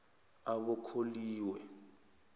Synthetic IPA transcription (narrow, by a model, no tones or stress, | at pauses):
aɓɔkʰoliːwɛ